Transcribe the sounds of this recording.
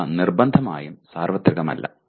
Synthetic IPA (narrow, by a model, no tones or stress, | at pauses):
nirbɐnd̪ʱɐma̰ːjumsaːrʋɐt̪ːriɣɐmɐ̰lːʔɐ̰